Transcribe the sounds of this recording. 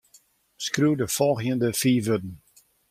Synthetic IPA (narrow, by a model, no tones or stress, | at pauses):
skruːdəfɔlˠɣjəndəfiːʋødn̩